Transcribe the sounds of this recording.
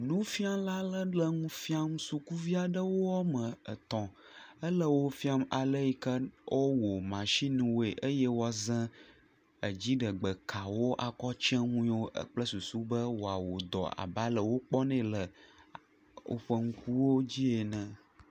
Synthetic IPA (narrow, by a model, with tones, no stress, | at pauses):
nũ˦fi˦a˦la˦lə˦lə˦ŋũ˦fi˦a˦msu˨ku˦vi˦a˨ɖə˦wo˦a˦mə̃˨ə˨t̪ɔ̃˨ | ə˦lə˦wo˦fi˦a˦ma˨lə˦ji˦kə˦o˦wo˨mã˨ʃi˦ñ˨wo˦e˨ʔə˦jɛ˦wɔ˦zɛ̃˦ | ə˨d͡ʑi˦ɖə˨ɡ͡bə˨kʰa˨wo˦ʔa˨kɔ˦t͡ʃɛ̃˦ŋũ˦wo˦ə̰˦k͡plə˦su˨su˦bə˦wo˨a˨wo˨d̪ɔ̰˨a̰˨ba˦lə˨wo˦k͡pɔ˦nɛ̃˦lə˨ | o̰˨ɸə˦ŋ̩˦ku˦wo˦d͡ʑi˦e˨nɛ̃˨